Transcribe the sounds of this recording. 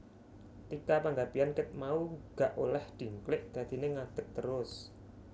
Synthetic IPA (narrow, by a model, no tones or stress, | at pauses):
t̪ikapaŋɡapiankɪt̪̚mauɡ̥aʔolɛhd̪̥i̤ŋklɪʔd̪̥a̤d̪̥i̤neŋad̪̥ə̤k̚t̪əɾʊs